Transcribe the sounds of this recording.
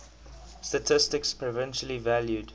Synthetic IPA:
stətʰɪstɪkspʰɹɔvɛ̃nʃəlivæljud

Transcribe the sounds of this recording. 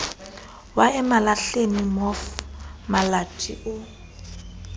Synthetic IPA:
waɛmalaɬenimɔfmalat͡ʃʼḭʔʊ

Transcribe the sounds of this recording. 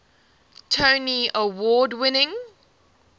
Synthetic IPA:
tʰoʊniəwɔːdwɪnɪ̃ŋ

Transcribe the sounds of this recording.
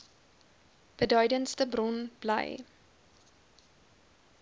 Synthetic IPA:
b̥ədœɥdənstəbrɔnb̥lə̰j

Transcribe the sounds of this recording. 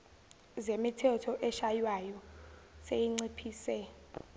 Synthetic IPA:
zemitʰɛtʰɔʔɛʃajwajɔsejiŋ͡ǀipʰiːsɛ

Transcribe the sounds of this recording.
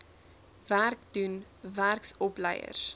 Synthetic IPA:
værkdunværksɔplɛjə̰rs

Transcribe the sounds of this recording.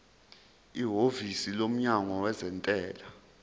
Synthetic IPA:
iɦovisilom̩ɲaŋɔwɛzɛntʼɛːla

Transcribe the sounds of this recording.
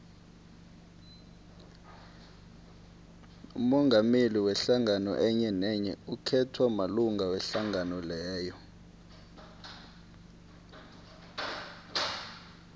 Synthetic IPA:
ṵmɔŋʱameliwɛɬaŋanɔ̰ʔɛɲɛnɛɲɛ̰ukʰɛtʰwamaluŋɡawɛɬaŋanɔlɛːjɔ

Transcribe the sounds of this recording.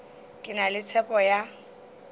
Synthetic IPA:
kʼɪnalɪt͡sʰɛpʼɔja

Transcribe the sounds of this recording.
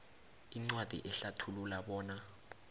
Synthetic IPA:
iŋ͡ǀwad̥ʱḭʔɛɬatʰululaɓɔːna

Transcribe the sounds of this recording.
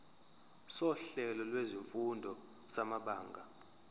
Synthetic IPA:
sɔɬɛlɔlweziɱfundʱɔ | samaɓaːŋɡʱa

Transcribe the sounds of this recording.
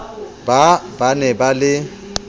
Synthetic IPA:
babanɛbalɪ

